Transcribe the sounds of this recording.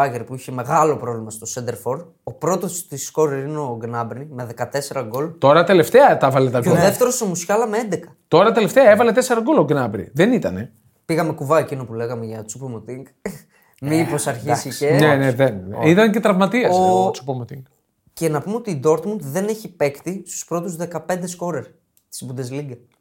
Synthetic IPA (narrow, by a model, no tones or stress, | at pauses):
ɐʝeɾpuiçeme̞ɣɐlo̞pɾo̞vlimɐst̪o̞sɐnd̪e̞ɾfo̞ɾ | opɾo̞t̪ost̪isko̞ɾeɾineoɡnɐbɾime̞ðe̞kɐt̪e̞se̞ɾɐɡo̞lt̪o̞ɾɐt̪ele̞ft̪eɐt̪ɐvɐlet̪ɐkeoðeft̪eɾo̞somusçɐlɐmeend̪ekɐt̪o̞ɾɐt̪e̞left̪eɐevɐle̞t̪eseɾɐɡo̞loɡnɐbɾḭðenit̪ɐne | piɣɐme̞kuvɐecinopule̞ɣɐmeʝɐt͡supomut̪iŋɡ | mipo̞sɐɾçisiceneneðenit̪ɐncet̪ɾɐvmɐt̪iɐsupmut̪iŋɡ | ce̞nɐpumo̞t̪iːd̪o̞ɾt̪mund̪ðe̞neçipe̞kt̪ist̪u̥spɾo̞t̪uzðe̞kɐpe̞nd̪e̞sko̞ɾeɾ | t̪i̥zbud̪ezliɡɐ